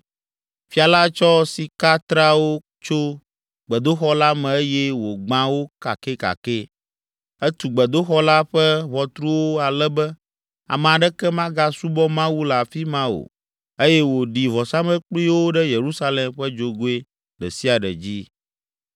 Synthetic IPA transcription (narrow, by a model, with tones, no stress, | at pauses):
fi˦a˨la˦t͡ʃɔ˦si˨ka˦t̪ɾa˦wo˦ | t͡ʃo˦ | ɡ͡bɛ˨d̪o˦xɔ˦la˦mɛ̃˨e˦jɛ˦wo˨ɡ͡bã˦wo˦ka̰˨ke˦ka̰˨ke˦ | ɛ˦t̪u˨ɡ͡bɛ˨d̪o˦xɔ˦la˦ɸɛ˦βɔ˨t̪ɾu˦wo˦a˨lɛ˦bɛ˦ | a̰˨mɛ̃˨a˨ɖɛ˦kɛ˦mã˦ɡa˦su˦bɔ˦mã˦wu˦la˨fi˦mã˦o̰˨ | e˦jɛ˦wo˨ɖi˨vɔ˨sa˦mɛ̃˦k͡pli˦wo˦ɖɛ˦je˨ɾu˦sa˦le˨mɸɛ˦d͡ʒo˨ɡo˦e˦ | ɖɛ̰˨si˦a˨ɖɛ̰˨d͡ʑi˦